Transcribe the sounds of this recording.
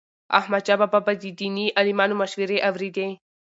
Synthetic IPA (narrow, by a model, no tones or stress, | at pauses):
ɐ̰hmɐt͡ʃabababɐd̪id̪iniʔɐlimaːnumɐʃwiɾeʔɐʋɾid̪e